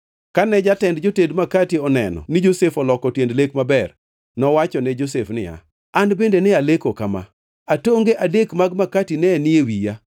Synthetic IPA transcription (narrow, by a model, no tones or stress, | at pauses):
kanɛd͡ʒatɛndd͡ʒotedmakatiɔnɛnɔ̰nɪd͡ʒosefɔlɔkɔtjendlekmabɛr | nɔwat͡ʃɔnɛd͡ʒosefnɪ̰ja̰ | anbendenɪalekokama̰ | atoŋɡeʔadekmaɡmakatinɛnɪewija